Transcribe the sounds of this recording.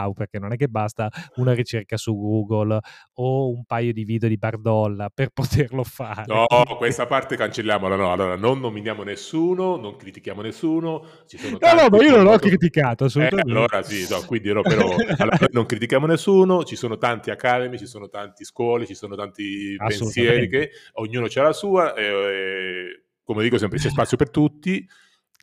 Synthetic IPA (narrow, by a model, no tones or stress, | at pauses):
wperk̟enːonɛk̟ːebast̪aunaɾit͡ʃerkasuɡuːɡol | oumpajod̪iviːd̪eod̪ibard̪ɔlːaperpot̪ʰerlofaːɾneɔkwest̪apart̪ekant͡ʃelːjaːmolanɔalːoːɾanonːominjaːmonesːuːnonoŋkɾit̪ikjaːmonesːuːno | t͡ʃisoːonɔnɔmaionõlɔkkːɾit̪ikaːt̪oasːoluaalːoːɾasiɔkwind̪iɾɔpeɾɔalːnojnoŋkɾit̪̬ikjaːmonesːuːnot͡ʃisoːnot̪ant̪iakaːd̪emit͡ʃisoːnot̪ant̪iskwɔːlit͡ʃisoːnot̪ant̪ipenssjɛːɾikeoɲːuːnot͡ʃɛlasuːaʔɛ | komed̪iːkosɛmpɾet͡ʃɛspat̪sːjopert̪ut̪ːi